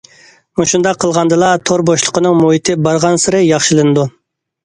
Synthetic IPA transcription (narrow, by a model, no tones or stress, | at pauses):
muʃund̪ɑqʰːəlˠʁɑnd̪ɨlˠɑt̪ʰoɾboʃlˠəqʰənɨŋmuɦit̪ʰɪbɑɾʁɑnsɨɾɨjɑχʃɨlˠɨnɨd̪u